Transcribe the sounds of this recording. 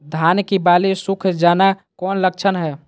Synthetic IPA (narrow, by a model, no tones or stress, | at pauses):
d̪ʱankibalisukʰd͡ʒana | kɔnlək̚t͡ʃʰənɦɛ